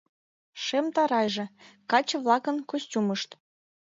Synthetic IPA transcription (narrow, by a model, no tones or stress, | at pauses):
ʃemt̪ɑɾɑjʒĕkɑt͡ɕɤ̆βlɑkənkosʲtʲuməʃt̪